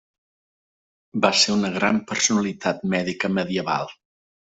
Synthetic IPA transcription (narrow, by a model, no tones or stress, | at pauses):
baseunəɣɾampəɾsunəlit̪ʰat̪̚mɛðikəməðiəβa̰lˠ